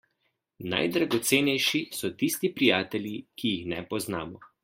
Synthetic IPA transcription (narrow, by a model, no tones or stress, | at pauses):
na̰jd̪ɾaɡɔt̪seːnɛjʃisɔt̪ist̪ipɾijaːt̪ɛljikijixnɛ̰pɔznaːmɔ